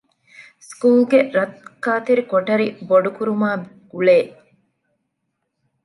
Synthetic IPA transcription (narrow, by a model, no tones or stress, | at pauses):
skuːlɡeɾɐt̪kaːt̪eɾikoʈɐɾiboɖukuɾumaː | ɡ̥uɭeː